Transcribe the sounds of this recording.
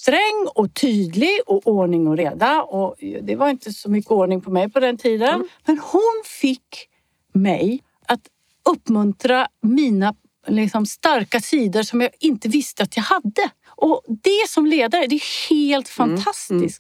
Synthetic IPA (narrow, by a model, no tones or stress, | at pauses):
st̪ɾɛŋːɔt̪ʰyːd̪lɪɡɔʔoːɳɪŋɔɾeːd̪aɔd̪ɛvaɾɪnt̪əsɔmʏkːəoːɳɪŋpʰɔmɛjpʰɔd̪ɛnt̪ʰiːd̪ənmɛnhʊnfɪkː | mɛj | ʔat̪ | ɵpːmɵnt̪ɾamiːna | lɪksɔmst̪aɾkat̪ʰiːd̪əʂɔmjɑːɪnt̪əvɪst̪əat̪jɑːɡhad̪ːə | ʔɔd̪ɛsɔmleːd̪aɾəd̪ɛæheːlt̪fant̪ʰast̪ɪsk̚